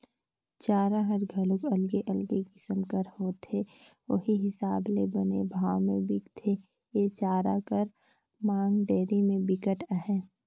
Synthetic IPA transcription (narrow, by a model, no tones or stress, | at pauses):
t͡ʃaːɾaɦɐɾɡʱɐlʊkɐlɡeʔɐlɡeɡɪsəmkəɾhoːt̪eʋo̰ɦiɦɪsaːblebɐnebʱaːwmḛ̃bɪkt̪ʰe | eːt͡ʃaːɾa̰kəɾ | maːŋɖeːɾimẽbɪkəʈəɦɛ̃ː